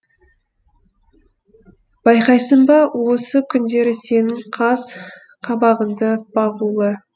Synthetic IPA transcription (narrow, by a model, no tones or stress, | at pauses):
b̥ɑjqɑjsəɴbɑwo̞səkʲʰʏnd̪e̞ɾɪse̞nɪŋqʰɑz | qʰɑbɑʁənd̪əb̥ɑʁulˠə